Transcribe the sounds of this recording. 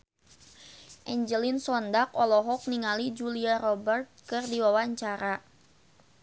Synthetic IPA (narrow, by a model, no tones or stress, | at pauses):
ʔɛɲd͡ʒəlinsɔndakɔlɔɦɔk̚niŋalid͡ʒuliaɾɔbərt̪̚kɨrdiwawaɲt͡ʃaɾa